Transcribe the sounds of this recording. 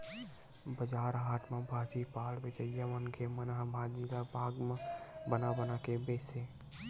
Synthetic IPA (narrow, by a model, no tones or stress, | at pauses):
bəd͡ʒaɾɦaʈʰmẽbʱat͡ʃipalbet͡ʃəjjamənkʰemənɦabʱad͡ʒilabʱaɡmẽbənabənakebese